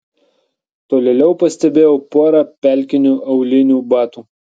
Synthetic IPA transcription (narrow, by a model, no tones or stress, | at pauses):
t̪oːlʲeːlʲɛʊpɐsʲt̪ʲɛbʲeːjɛʊpoːɾɑpʲɛlʲkʲɪnʲuːʔɐʊlʲɪnʲuːbɑːt̪uː